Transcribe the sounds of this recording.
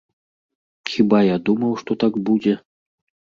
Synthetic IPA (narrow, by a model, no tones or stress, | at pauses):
xʲibajad̪umɐwʂt̪ɔt̪akbud͡zʲɛ